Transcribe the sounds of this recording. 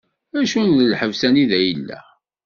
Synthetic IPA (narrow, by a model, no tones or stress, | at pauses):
æʃunːəlħəvsæniðæjəlːæ̰